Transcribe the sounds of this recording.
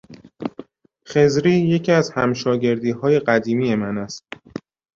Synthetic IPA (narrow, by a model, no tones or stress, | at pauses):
xe̞zɾiːje̞cʰiæzhæmʃɒːɟe̞ɾd̪iːhɒːje̞ɢæd̪iːmiːje̞mænæst̪̚